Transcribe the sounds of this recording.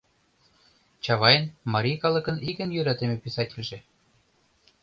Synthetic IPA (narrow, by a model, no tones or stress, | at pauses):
t͡ɕɑβɑjɤ̆nmɑɾʲijkɑlˠɤ̆kɤ̆nikɘ̆njøɾæt̪emĕpʲesɑtʲilʲʒĕ